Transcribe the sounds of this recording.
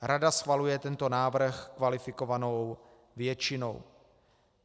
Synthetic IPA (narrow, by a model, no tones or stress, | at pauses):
ɾadasxvalujɛt̪ɛnt̪o̞naːvr̩xkvalɪfɪko̞vanow | vjɛt͡ʃɪno̞̰w